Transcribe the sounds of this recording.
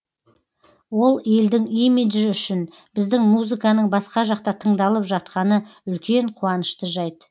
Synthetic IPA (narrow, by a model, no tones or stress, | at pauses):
wo̞lˠe̞ld̪ɪŋimid̪ʒɪʏʃɪn | b̥ɪzd̪ɪŋmuzɨkɑnəɴbɑsqɑʒɑq̚t̪ɑt̪ʰəɴd̪ɑlˠəpʒɑt̪̚qɑnəʏlkʲe̞ɴqʰuɑnəʃt̪əʒɑjt̪ə